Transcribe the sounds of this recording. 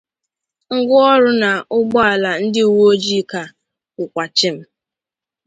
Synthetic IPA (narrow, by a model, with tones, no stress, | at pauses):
ŋ̩˦ɡʷʊ˦ɔ˦ɾʊ˦na˨ʊ˦ɡ͡bɔ˦a˨la˨n̩˦dɪ˦u˨wo˦o˦d͡ʒi˦ka˨ | kʊ˨kʷa˨t͡ʃɪ˦m̩˦